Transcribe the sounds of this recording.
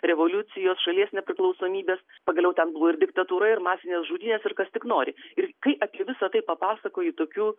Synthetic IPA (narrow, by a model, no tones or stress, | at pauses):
ɾʲɛʋoːlʲʊt͡s̪ʲɪjoːsʃɐlʲiɛsnʲɛpʲɾʲɪklˠɒʊsoːmʲiːbʲeːs | pɐɡɐlʲɛʊt̪ʲɛnbʊʋoːɪɾd̪ʲɪkt̪ɐt̪uːɾɐɪrmɑːsʲɪnʲeːsʒuːd̪ʲiːnʲeːsɪrkɐst̪ʲɪknoːɾʲɪɪrkɐɪʔɐpʲiɛʋʲɪsɐt̪ɐɪpɐpɑːsɐkoːjɪt̪oːkʲuː